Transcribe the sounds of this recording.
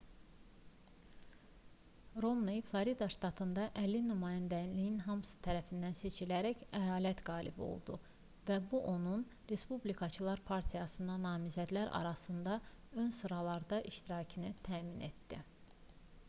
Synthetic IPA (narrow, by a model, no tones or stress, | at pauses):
ɾo̞mniflˠoɾid̪ɑʃt̪ɑt̪ʰɯnd̪ɑʔælːinymɑːjænd̪ælijinɦɑmsɯ̥t̪ʰæɾæfind̪ænse̞t͡ʃʰilæɾæçæjɑːlæt̪ɡɑːlḭbo̰lˠd̪ṵ | væbuʔo̞nun | ɾe̞spublikʰɑt͡ʃʰɯlˠɑɾpʰɑɾt̪ʰijɑsɯnd̪ɑnɑːmizæd̪læɾʔɑ̰ɾɑsɯnd̪ɑø̞nsɯɾɑlˠɑɾd̪ɑʔiʃt̪iɾɑːcʰinit̪ʰæːmine̞t̪d̪i